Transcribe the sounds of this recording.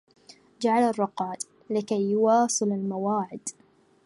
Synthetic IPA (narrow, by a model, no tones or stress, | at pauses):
d͡ʒaʕalarˤːɑqɑːt̪ | lɪkajːʊwɑːsˤɨlalmawaːʕɪd̪